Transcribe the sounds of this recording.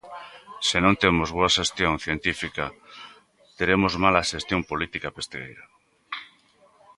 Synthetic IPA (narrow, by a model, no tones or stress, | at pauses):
senõnt̪emozβ̞oaʃest̪jõŋθjent̪ifika | t̪eɾemozmalaʃest̪jõmpolit̪ikapest̪eɣḛjɾa